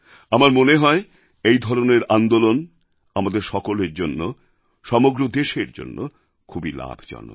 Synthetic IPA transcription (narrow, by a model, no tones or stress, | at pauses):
amaɾmoneɦɔe | ejd̪ʱɔɾoneɾand̪olon | amad̪eɾʃɔkoleɾd͡ʑonːo | ʃɔmoɡɾod̪eʃeɾd͡ʑo̰nːo̰ | kʰubila̰bʱd͡ʑɔ̰no̰